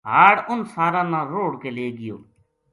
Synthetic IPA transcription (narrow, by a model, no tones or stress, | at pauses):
ɦaːɽʊnsaːɾãːnãːɾoːɽkeːleːɡɪjo̰ː